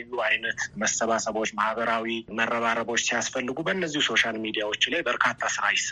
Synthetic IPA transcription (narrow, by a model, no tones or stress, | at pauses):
jːuajnət̪məsəβasəβo̞t͡ʃːmahβəɾawimərːəβaɾəbo̞t͡ʃːsijasfəlːɨɡubəɨnːəzːihuso̞ʃalmid̪ijawo̞t͡ʃːlajbəɾkʰat̪ʰːasɨɾajɪsə